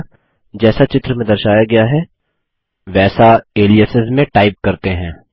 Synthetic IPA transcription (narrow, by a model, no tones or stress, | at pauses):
d͡ʒɛːsat͡ʃɪt̪ɾəmẽd̪ɐɾʃaːjaɡɐjaɦɛː | ʋɛːsaeːliəsɪzmːẽʈaːɪp̚kɐɾt̪eɦɛ̃ː